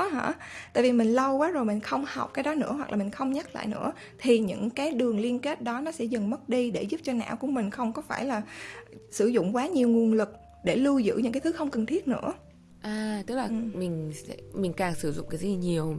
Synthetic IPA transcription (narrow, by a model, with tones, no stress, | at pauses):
ɦa̰ː˧˥t̪a̰ː˧˨vi˨˩mï˨˩ŋ̟lə˧wkwaː˨˦zo˨˩jmï˨˩ŋ̟xə˧wŋ͡mha˨˩wk͡p̚kaː˨˦jɗɔ˨˦nɨ̰˧˥əɦwa˨˩k̚laː˨˩mï˨˩ŋ̟xə˧wŋ͡mɲa˦˥t̚la̰ː˧˨jnɨ̰˧˥ə | t̪ʰi˨˩ɲɨ̰˧˥ŋkaː˨˦jɗɨ˨˩əŋli˧ənke˦˥t̚ɗɔ˨˦nɔ˨˦sɛ̰˧˥zə˨˩ŋm˦˥t̚ɗi˧ɗe˧˩zu˦˥p̚t͡ɕɔ˧na̰ː˧˥wku˧˩əmï˨˩ŋ̟xə˧wŋ͡mkɔ˨˦faː˧˩jlaː˨˩sɨ˧˩zʊ̰˧˨ŋ͡mkwaː˨˦ɲi˨˩əwŋwi˨˩ənlɨ˨˩k̚ | ɗe˧˩lu˧zɨ̰˧˥˩ɲɨ̰˧˥ŋkaː˨˦t̪ʰɨ˨˦xə˧wŋ͡mkə˨˩nt̪ʰi˦˥ət̚nɨ̰˧˥ə | ʔaː˨˩t̪ɨ˦˥k̚laː˨˩ɨ˨˩mï˨˩ŋ̟sɛ̰˧˥mï˨˩ŋ̟kaː˨˩ŋsɨ˧˩zʊ̰˧˨ŋ͡mkaː˨˦˧ɲi˨˩əw